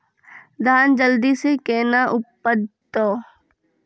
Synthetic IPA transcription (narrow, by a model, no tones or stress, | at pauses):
d̪ʱaːnd͡ʒəld̪isekeːnaʔʊpːəd̪ | oː